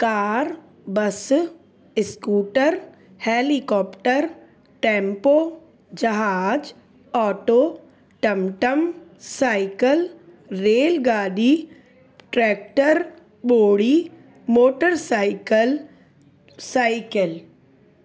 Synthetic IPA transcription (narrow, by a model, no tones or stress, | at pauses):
kaːɾ | bɐs | ɪskuːʈəɾ | heːlikɔːpʈəɾ | ʈẽːmpoː | d͡ʒɐɦaːd͡ʒ | ɔːʈoː | ʈɐmʈəmsaːɪkəl | ɾeːlɡaːɖi | ʈɾɛːk̚ʈəɾ | boːɽiː | moːʈəɾsaːɪkəl | saːɪkəl